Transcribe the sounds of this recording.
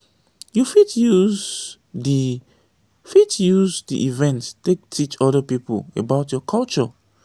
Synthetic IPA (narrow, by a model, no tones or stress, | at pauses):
jufitjuz | di | fitjuzdḭʔivɛ̃nttek̚tʰit͡ʃɔdəpipo̰lebaʊtjɔkʰalt͡ʃɔ̰